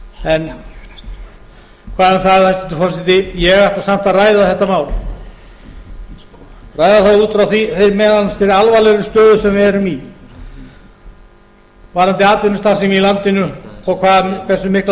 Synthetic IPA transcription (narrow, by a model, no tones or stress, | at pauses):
ɛn | kʰvaːðanθaðhajst̪ɪnt̪̬ʏ̥fɔs̬ɪt̪ɪjɛɣajht̪asam̥t̪aðraːjðaθɛht̪amaːwl | raːjðaθaðuːt̪fɾawθiθejmɛðansfɪɾɪɾalvalɛɾʏst̪œːðʏsɛmvɪɛɾʏmi | vaɾant̪ɪaːt̪ɪnʏst̪aːsɛmilant̪ɪnʏɔɣkʰvaːðankʰvɛsʏmɪhkl